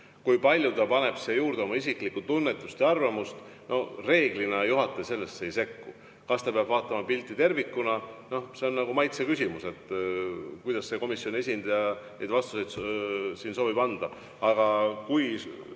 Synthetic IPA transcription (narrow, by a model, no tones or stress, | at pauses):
kujpɑlʲjut̪ɑpɑne̞b̥sejuːɾd̪eo̞mɑisiklikːˑut̪unːe̞t̪ːˑust̪eɑrvɑmust̪ | no̞hre̞ːɡ̥linɑjuɦɑt̪ːˑese̞lːe̞sːe̞jse̞kːṵ | kɑst̪ɑpeɑb̥vɑːt̪ːˑɑmɑpilʲt̪ːˑit̪e̞rvikːunɑno̞hse̞o̞nnɑɡumɑjt̪sekysʲimuse̞t̪ː | kujd̪̥ɑsːe̞ko̞misːjone̞sʲind̪̥ɑjɑ | ed̪vɑst̪use̞jd̪siːnso̞ːbib̥ɑnd̪̥ɑ | ɑɡ̥ɑkuj